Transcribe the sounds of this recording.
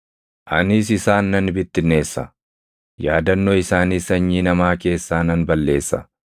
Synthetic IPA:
ʔɐnɪs̬ɪsaːnːɐnbɪt̪ːɪnːe̞ːsːɐ̰ | jaːd̪ɐnːɔɪsaːnisɐɲːiːnɐmaːke̞ːsːaːnɐnbɐlːe̞ːsːɐ̰

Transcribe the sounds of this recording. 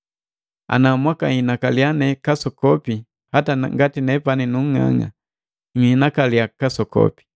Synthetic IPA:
a̰namwakainakalianɛkasɔkɔpi | hataŋɡatinɛpaninuŋ̩ŋa̰ŋa̰ | ŋinakaliakasɔkɔ̰pi̥

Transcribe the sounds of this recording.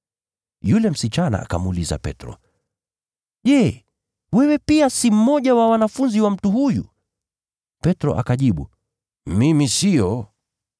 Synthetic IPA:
julɛm̩sit͡ʃana̰a̰kamuuliza̰pɛ̰tɾɔ̰ | ʄɛ | wɛwɛpiasim̩mɔʄawawanafunziwam̩tuɦujṵ | pɛtɾɔ̰ʔa̰kaʄiɓu | mimisijɔ

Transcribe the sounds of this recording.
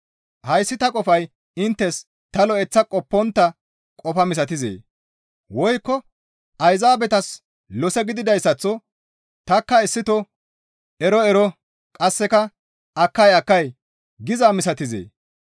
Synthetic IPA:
hɐjsːɪt̪ɐkʼɔfɐj | ɪnt̪ːɛs | t̪ɐlɔɛt͡sːɐkʼɔpːɔnt̪ːɐ | kʼɔfɐmɪs̬ɐt̪ɪzḛː | wɔjkːɔ | ɐjzaːbɛt̪ɐs | lɔsɛɡɪd̪ɪd̪ɐjsːɐt͡sːɔ | t̪ɐkːɐɪsːɪt̪ɔ | ɛɾɔɛɾɔ | kʼɐsːɛkɐ | ɐkːɐjɐkːɐj | ɡɪzaːmɪsɐt̪ɪzḛː

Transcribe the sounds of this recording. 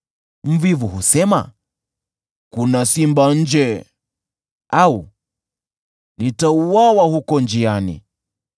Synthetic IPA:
m̩vivuhusɛma̰ | kunasimban̩d͡ʒɛ | au | nitauwawahukɔnd͡ʒianḭ

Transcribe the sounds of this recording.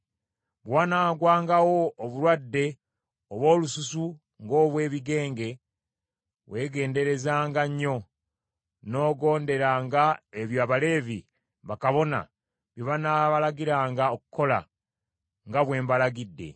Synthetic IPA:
βwaːnaːɡwaːŋɡawo̞ːβulwadːe̞ | oβwo̞ːlususu | ŋɡo̞ːβwe̞ːβiɡe̞ːŋɡe̞ | we̞ːɡe̞ːnde̞ɾe̞zaːŋɡaɲːo̞ | no̞ːɡo̞ːnde̞ɾaŋɡaeβjaːβale̞ːvi | βakaβo̞na̰ | βjoβanaβalaɡiɾaːŋɡaokuko̞la̰ | ŋɡaβwe̞ːmbalaɡidːe̞̰

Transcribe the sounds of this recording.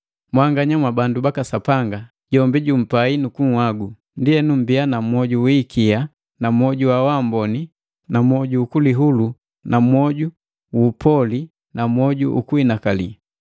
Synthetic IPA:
mwaŋɡaɲamwabandubakasapaŋɡa | ɟɔmbiɟum̩painukuŋ̩hwaɡu | ndiɛnum̩bianamwɔɟuwikia | namɔɟuwawambɔni | namɔɟuːkuliɦulu | nʔamwɔɟu | upɔli | namwɔɟṵʔṵkuinakalḭ

